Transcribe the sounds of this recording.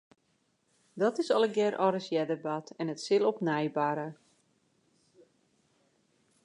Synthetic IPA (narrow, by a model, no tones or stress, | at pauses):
dɔtɪsɔlˠəɡjɛɾʔɔɾəsjɛdəbatɛnətsɪlˠɔpnɛjbaɾə